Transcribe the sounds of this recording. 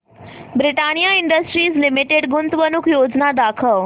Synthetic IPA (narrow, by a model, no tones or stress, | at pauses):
bɾiʈanijaiɳɖəsʈɾiːslimiʈeɽɡunt̪ʋənukʰjod͡znad̪akʰəʋ